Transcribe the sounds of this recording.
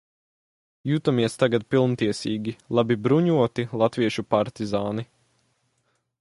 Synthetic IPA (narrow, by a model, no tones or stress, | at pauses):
jut̪amiɛst̪aɡat̪̚pilˠnt̪iɛsiːɡʲilˠabibɾuɲuɔt̪ilˠat̪viɛʃupaɾt̪izaːni